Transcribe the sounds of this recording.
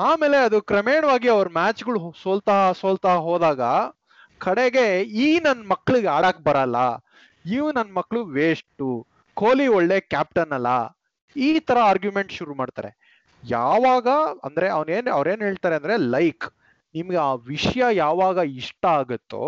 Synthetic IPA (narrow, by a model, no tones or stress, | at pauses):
aːme̞ːle̞ɐd̪ukɾɐmeːɳɐʋaːɡiɐʋɐɾumaːt͡ʃɡɐɭuɦsoːlt̪aɦɐsoːlt̪aːɐɦoːd̪aːɡɐ | kɐɽeɡe̞iːnɐnːɐmɐkːɭuɡeaːɽakbɐɾɐlːɐ | iːʋunɐnːɐmɐkːɭuʋeːsʈu | koːliɔɭːe̞ːkʲaːp̚ʈɐnːɐlːɐ̰ | iːt̪ʰɐɾɐaːɾɡjumeɳʈʃuɾumaːɖt̪a̰ːɾe̞̰ | jaːʋaːɡɐɐnd̪ɐɾe̞ɐʋneːnɐʋɐɾe̞ːnɦeːɭt̪aːɾeɐnd̪ɾe̞lɐjk | nimɐɡeaːʋiʂɐjɐjaːʋaːɡɐiʂʈɐaːɡut̪ːṵ